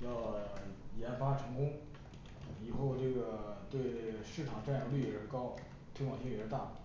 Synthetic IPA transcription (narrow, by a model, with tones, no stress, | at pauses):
jɑ˥˩ʊjɛ˧˥nfa˥ʈ͡ʂʰɤ˧˥ŋkʊ˥ŋ | i˨˩xo˥˧ʊʈ͡ʂɤ˥˩ɡə˩t̪we˥˧ɪʂɻ̩˥˩ʈ͡ʂʰɑ˨˩ŋʈ͡ʂa˥˩njɑ˧˥ly˥˩jɛ˨˩ʂɻ̩˥˩kɑ˥ʊ | t̪ʰi˥ŋwɑ˥˩ŋɕi˥˨˩t̪a̰˥˩